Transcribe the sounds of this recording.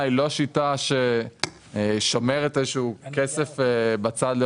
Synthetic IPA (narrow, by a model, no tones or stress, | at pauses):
ilo̞ʃitaʃe | ʃo̞meʁetezeʃuuːkesefbat͡sad̪le